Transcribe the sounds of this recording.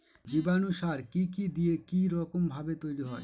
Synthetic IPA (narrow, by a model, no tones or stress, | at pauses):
d͡ʑibanuʃaɾkikid̪ijekiɾɔkombʱabet̪ojɾiɦɔe